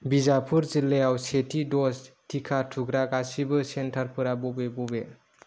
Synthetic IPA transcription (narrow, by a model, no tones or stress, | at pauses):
bizapʰuɾzilːeawsetʰidɔstʰikʰatʰuɡɾaɡasibɯsentʰaɾpʰɯɾabɔbebube